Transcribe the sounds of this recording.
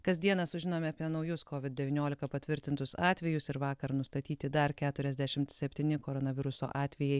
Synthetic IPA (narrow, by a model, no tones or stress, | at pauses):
kɐzʲd̪ʲiɛnɐsʊʒʲɪnoːmʲɛɐpʲiɛnɐʊjʊskoːʋʲɪd̪̚dʲɛʋʲiːnʲoːlʲɪkɐpɐt̪ʲʋʲɪɾʲt̪ʲɪnt̪ʊsɑːt̪ʲʋʲɛjʊsɪɾʋɑːkɐɾnʊst̪ɐt̪ʲiːt̪ʲɪd̪ɐɾkʲæːt̪ʊɾʲɛzʲd̪ʲæʃʲɪmt̪sʲɛpʲt̪ʲiːnʲɪkoːɾonɐʋʲɪɾʊso̰ːʔɑːt̪ʲʋʲɛjɛɪ